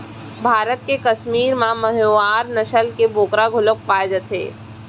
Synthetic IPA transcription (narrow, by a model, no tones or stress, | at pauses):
bʱaːɾət̪̚kekɐʃmiːɾmãmɐɦjoːaːɾnɐʃəlkeboːkɾaɡʱʊlək̚paːed͡ʒət̪ʰḛː